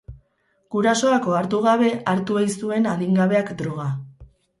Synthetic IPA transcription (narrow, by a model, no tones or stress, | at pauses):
ɡ̥uɾaso̞ako̞aɾt̪̬uɣ̞aβe̞ʔaɾt̪uajsue̞naðiŋɡaβe̞akd̪ɾoɣ̞a